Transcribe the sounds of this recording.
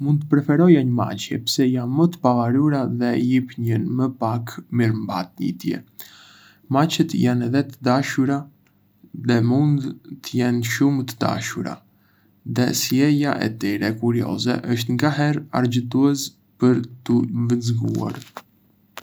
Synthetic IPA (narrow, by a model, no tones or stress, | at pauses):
mund̪̚t̪əpɾɛfɛɾɔjaɲəma̰t͡ɕjɛpə̥sɛjanmət̪ə̥pavaɾuɾaðɛjipɲənməpakmiɾmba̰t̪̚ɲḭt̪jɛ̰ | mat͡ʃɛt̪janɛðɛt̪əd̪aʃuɾa | ðɛmund̪t̪əjɛnʃumət̪əd̪a̰ʃuɾa̰ | ðɛsjɛjaʔɛ̰t̪iɾɛkuɾiɔ̰zɛ̰ʔəʃt̪ŋɡaɦɛɾa̰ɾd͡ʑət̪̬uɛs | pəɾt̪əvənzɡṵa̰ɾ